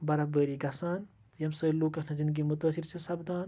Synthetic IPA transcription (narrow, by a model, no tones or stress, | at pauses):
bɐɾɐbəːɾiɡɐsaːn | jɐmsəːluːkːɐnɐzind̪ɡimut̪ɐːsiɾt͡ʃʰisɐbd̪aːn